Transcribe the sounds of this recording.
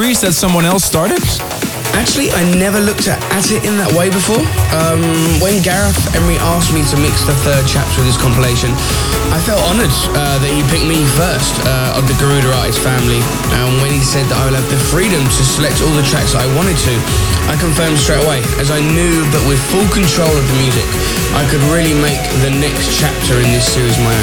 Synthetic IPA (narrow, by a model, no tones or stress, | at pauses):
ɨsədsʌ̃mwɒ̃nɛlˠstɑɹɾəps | ʔæk̚t͡ʃʉl̩ˠiʔaɪnɛvəlʊk̚tʰəəɾɪtɪ̃nðəʔweɪbɨfɔɹʌ̃mwə̃nɡæɹəfɛ̃nɹiʔɑˑsk̚mitəmɪksðəθɜd̚t͡ʃʰa̰pswɨð̥ɪz̥kʰɑ̃mpəleɪʃɨ̃n | ʔaɪfɛlˠtɑnəd | ʌðɨt͡ʃɨpʰɪk̚mifɜˑ˞stʰʌ | ə̰vðəɡəɹʉɾə˞ɑˑʔɪ̰z̥fæ̃mli | ə̃nwə̃nisɛd̪̚ðəɾaɪwələvðɨfɹiɾɨ̃mtʰəsəlɛk̚tʰɔːlˠðətʰɹ̥æ̰ksa̰ɪwɑ̃ñtɨd̚tʰɨ | ʔaɪkə̃ɱfɜ̃ːmd̥stɹ̥eɪɾəweɪ | əzaɪnjʉːðəʔwɪð̥fʊlˠkʰə̃ntʰɹ̥oʊləvðəmjʉzɪk | ʔaɪkʰɨd̚ɹɪːlimeɪkðɨnɛkst͡ʃʰæp̚tʰə˞ɪ̃nðɪsɪɹizəmaɪə̃